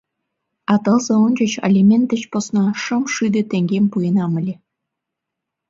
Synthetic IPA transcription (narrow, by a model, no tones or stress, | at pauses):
ɑt̪ɤ̆lzɤ̆unʲt͡ɕə̆t͡ɕɑ̰lʲimʲent̪ə̆t͡ɕpŏsnɑʃɤ̆mʃyd̪ĕt̪eŋɡʲempujenɑmə̆lʲe